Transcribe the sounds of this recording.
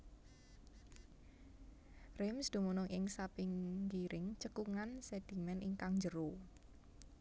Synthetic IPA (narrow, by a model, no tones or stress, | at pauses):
rɪmsd̪̥ṳmunʊŋʔɪŋsapɪŋɡiɾɪŋt͡ʃəkuŋansɛd̪̥i̤mɛnʔiŋkaŋɲd͡ʒəɾo